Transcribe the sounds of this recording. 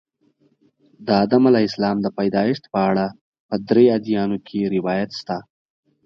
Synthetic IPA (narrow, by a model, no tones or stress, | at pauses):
d̪əad̪amalaɪslɑmd̪əpajd̪ɑjɪʃt̪pəaɽa | pəd̪ɾead̪ijɑnokʰeɾɪwɑjat̪st̪a